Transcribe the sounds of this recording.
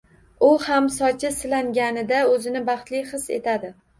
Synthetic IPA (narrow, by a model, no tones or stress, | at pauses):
ʊhamsɒt͡ʃʰɪsɪlaŋɡʲanɪd̪aɵzɪnɪbɑχt̪lɪjχɨsḛt̪ʰad̪ɪ